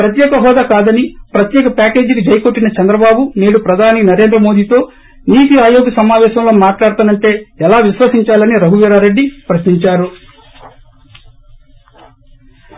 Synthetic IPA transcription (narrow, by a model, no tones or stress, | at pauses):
pɾɐt̪jɛːkɐɦɔːd̪aːkaːd̪ɐnipɾɐt̪jɛːkɐpaːke̞ːd͡ʒikid͡ʒɐjko̞ʈːinɐt͡ʃɛnd̪ɾɐbaːbune̞ːɽupɾɐd̪ʱaːninɐɾe̞ːnd̪ɾɐmo̞ːd̪iːt̪o̞ː | niːt̪iaːjo̞ːɡɐsɐmaːʋɛːʃɐmlo̞ːmaːʈlaːɽt̪ɐnɐɳʈe̞ːɛlaːʋiʃʋɐsiɲt͡ʃaːlɐniɾɐɦuʋiːɾaːɾe̞ɖːipɾɐʃniɲt͡ʃaːɾu